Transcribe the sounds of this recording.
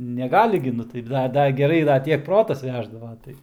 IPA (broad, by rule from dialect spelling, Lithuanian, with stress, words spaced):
nʲɛˈɡɑːlʲɪ ɡʲɪ ˈnʊ tɐɪ ˈdɐ ˈdɐr ɡʲɛˈrɐɪ dɐr ˈtʲiɛk ˈproːtɐs ˈʋʲæːʒdɐʋɐ ˈtɐɪ